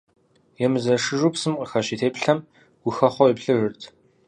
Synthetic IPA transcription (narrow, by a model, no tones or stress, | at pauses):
jɛmɨzɐʂɨʒupsɨmqʼəxɐʃitʰeːpɬɐm | ɡ̥ʷʊxɐχʷɔiːpɬɨʒɨrtʰ